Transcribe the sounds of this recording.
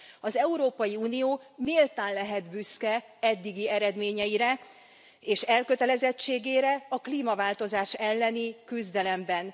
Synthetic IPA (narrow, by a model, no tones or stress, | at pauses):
ɒzɛuɾoːpɒjiuːnijoːmeːlt̪aːnlɛɦɛd̪byskɛ | ɛd̪ːiɡiɛɾɛd̪meːɲɛjiɾɛ | eːʃɛlkøt̪ɛlɛzɛt͡ʃːeːɡeːɾɛɒkliːmɒvaːlt̪o̞zaːʃɛlːɛnikyzd̪ɛlɛmbɛn